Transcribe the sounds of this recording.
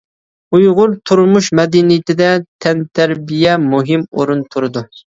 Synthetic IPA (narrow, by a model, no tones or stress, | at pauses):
ujʁʊɾt̪ʰuɾmuʃmɛd̪inɪjt̪ɪd̪ɛt̪ʰɛnt̪ʰæɾbijɛmuɦɪmoɾunt̪ʰuɾɨd̪u